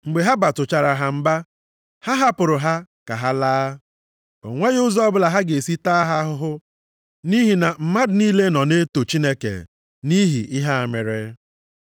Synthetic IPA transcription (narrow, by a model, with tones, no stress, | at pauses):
ŋ͡m̩˨ɡ͡be˨ɦa˦ba˨tʊ˨t͡ʃa˨ɾa˨ɦa˨m̩˦ba˦ | ha˦ɦa˦pʊ˨ɾʊ˨ɦa˦ka˨ɦa˦laː˦ | o̰˨ŋʷe˦ɣʊ˦zɔ˦bʊ˦la˨ɦa˦ɡe˨si˦ta˦ɦa˦ɦʊ˦ɦʊ˦ | ni˦ɦi˨na˨m̩˨ma˦dʊ˨ni˦le˦nɔ˨ne˦to˨t͡ʃi˦ne˦kḛ˨ | ni˦ɦḭ˨ɪ˦ɦa˦a˨me˨ɾe˦